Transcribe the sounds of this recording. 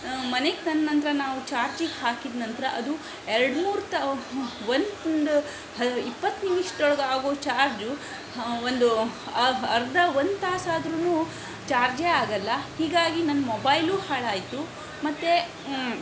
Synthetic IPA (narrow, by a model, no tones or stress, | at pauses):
mɐneɡ̚t̪ɐnnɐnt̪ɐɾɐnaːʋut͡ʃaːɾd͡ʒiɡhaːkid̪nɐnt̪ɾɐʔɐd̪u | eɾɽmuːɾt̪ɐʋond̪ond̪u | ɐipːɐt̪ːniʋiʂd̪ɔɭɐɡaːɡoːt͡ʃaːɾd͡ʒu | ond̪uɐɐɾd̪ɐond̪t̪aːsaːd̪ɾunuː | t͡ʃaːɾd͡ʒeaːɡɐlːɐhiːɡaːɡinɐnːɐmobɐjluːhaːɭaːjt̪u | mɐt̪ːe